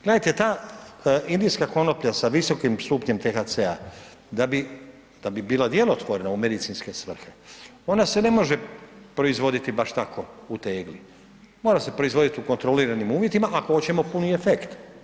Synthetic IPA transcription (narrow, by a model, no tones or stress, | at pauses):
ɡ̥le̞dajt̪et̪aː | ind̪ijskako̞no̞pʎasaʋiso̞kimsuːpɲe̞mt̪exasea̰ | d̪abi | d̪̥abibiːlad̪je̞lot̪ʋoɾenaume̞d̪it̪sinske̞sʋr̩xe̞o̞nase̞ne̞mo̞ʒe̞pɾo̞izʋo̞d̪it̪ibaʃt̪akʰo̞ut̪eːɡli | mo̞ːɾase̞pɾo̞izʋo̞d̪it̪iuko̞nt̪ɾo̞liːɾanimuːʋje̞t̪imaʔako̞ot͡ɕemo̞punie̞fe̞kt̪